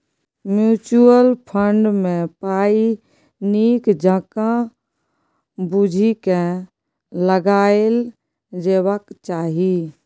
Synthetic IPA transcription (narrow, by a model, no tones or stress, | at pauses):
mjuːt͡ʃuəlpʰəɳɖmẽpaːi | niːkd͡ʒʱəkã | bud͡ʒʱikẽ | ləɡaːel | d͡ʒeːwəkt͡ʃaːɦi